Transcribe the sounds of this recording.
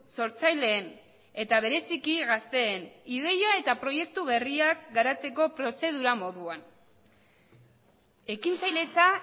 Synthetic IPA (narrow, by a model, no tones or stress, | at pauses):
so̞ɾt͡sajle̞ːn | e̞t̪aβ̞e̞ɾe̞sikiɣast̪e̞ːnið̞e̞jae̞t̪apɾo̞je̞k̚t̪uβe̞riakɡaɾat͡se̞ko̞pɾo̞se̞ð̞uɾamo̞ðuan | e̞kint͡sajle̞t͡sa